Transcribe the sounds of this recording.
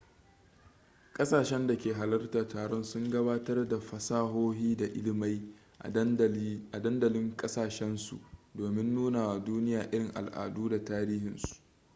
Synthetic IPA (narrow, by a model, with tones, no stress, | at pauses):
kʼɐ˦saː˨ʃɛ˦nda˨kʲeː˨ɦa˨lɐ˦rtaː˨taː˨ɽɔ˦nsʊ˦ŋɡɐ˦baː˦tɐ˦rda˨ɸɐ˨saː˦ɦoː˦ɦiː˦da˨ʔɪ˦lɪ˨ma˦j | a˨dɐ˦ndɐ˨lɪ˦ŋkʼɐ˦saː˨ʃɛ˦nsṵ˨ʔdoː˨mɪ˦nːuː˦na˨wa˨duː˦nɪ˦jaː˨ʔɪ˦ɽɪ˨ŋʔa̰˨lʔa̰ː˨duː˦da˨taː˦ɾiː˦hɪ˨nsu̥˨ʔʔ